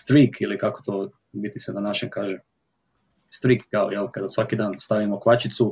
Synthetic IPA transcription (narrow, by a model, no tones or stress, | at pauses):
st̪ɾiːkʰilikako̥t̪oː | bit̪isenanaʃeŋkaːʒe | st̪ɾikkaojɛlkad̪asʋakid̪aːnst̪aʋimokʋat͡ʃit̪su